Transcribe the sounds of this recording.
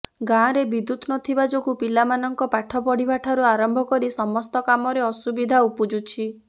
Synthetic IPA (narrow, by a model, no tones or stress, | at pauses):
ɡãɾebid̪ut̪nɔt̪ʰibad͡ʒoɡupilamanɔŋkɔpaʈʰɔpɔɽibaʈʰaɾuaɾɔmbʱɔkɔɾisɔmɔst̪ɔkamɔɾeɔsubid̪ʱaupud͡ʒut͡ʃʰi